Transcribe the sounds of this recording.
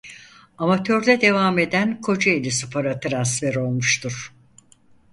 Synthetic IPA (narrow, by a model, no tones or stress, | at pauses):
amat̪ʰø̞ɾd̪ɛd̪e̞vaːme̞d̪ænkʰo̞d͡ʒaelʲisupʰaɾat̪ʰɯɾansfɛɾo̞lˠmuʃt̪ʰuɾ̥